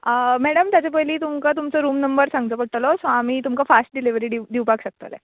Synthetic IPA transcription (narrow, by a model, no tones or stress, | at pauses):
mɛɽəmt̪jat͡ɕepəɦjliːt̪umkat̪̬umt͡sɔɾuːmnəmbəɾsãŋɡt͡səpəɽʈəlɔsãamiːt̪umkafasʈ̚ɖiliʋɾiːɖid̪iʋpakɕək̚t̪ə̰lḛ